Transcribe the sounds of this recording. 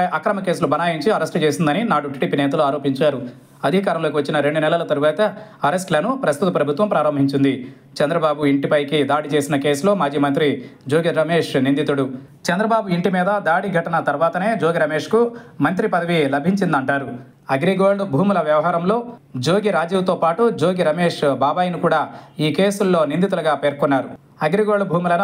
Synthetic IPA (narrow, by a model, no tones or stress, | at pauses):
ʔɐkɾɐmɐke̞ːs̬ulubʱɐnaːjiɲt͡ʃiɐɾɐsʈt͡ʃe̞ːsind̪ɐninaːʈuʈiːɖiːpiːnɛːt̪ɐluaːɾo̞ːpiɲt͡ʃaːɾu | ɐd̪ʱikaːɾɐmloːkiʋɐt͡ʃːinɐɾe̞ɳɖunɛlɐlɐt̪ɐɾuʋaːt̪ɐɐɾesʈlɐnupɾɐst̪ut̪ɐpɾɐbʱut̪ʋɐmpɾaːɾɐmbʱiɲt͡ʃind̪i | t͡ʃɛnd̪ɾɐbaːbuiɳʈipɐjkid̪aːɽit͡ʃe̞ːsinɐke̞ːsulo̞ːmaːd͡ʒiːmɐnt̪ɾid͡ʒoːɡiɾɐmeːʂnind̪it̪uɽu | t͡ʃɛnd̪ɾɐbaːbuiɳʈimiːd̪ɐd̪aːɽiɡʱɐʈɐnɐt̪ɐɾʋaːt̪ɐne̞ːd͡ʒoːɡiɾɐme̞ːʂkumɐnt̪ɾipɐd̪ɐʋilɐbʱiɲt͡ʃind̪ɐɳʈaːɾu | ɐɡɾiɡoːɖbʱuːmulɐʋjɐʋɐɦaːɾɐmlo̞ːd͡ʒo̞ːɡiɾaːd͡ʒiːwut̪o̞ːpaːʈud͡ʒo̞ːɡiɾɐme̞ːʂbaːbaːjɐnikuːɽaːiːke̞ːsulːo̞ːnind̪it̪̬ulɐɡaːpe̞ːɾkɔnːaːɾu | ɐɡɾiɡoːɽbʱuːmulɐn